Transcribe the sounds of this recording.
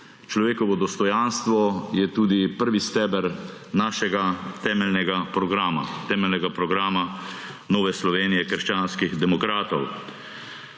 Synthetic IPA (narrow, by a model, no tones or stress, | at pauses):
t͡ʃlɔʋeːkɔʋɔd̪ɔst̪ɔjanst̪ʋɔjɛt̪uːd̪ipəɾʋist̪ɛːbɛɾnaːʃɛɡat̪ɛːmɛlnɛɡapɾɔɡɾaːma̰t̪ɛːmɛlnɛɡapɾɔɡɾaːma | nɔːʋɛslɔʋeːnijɛkəɾʃt͡ʃaːnskiɣd̪ɛmɔkɾaːt̪ɔw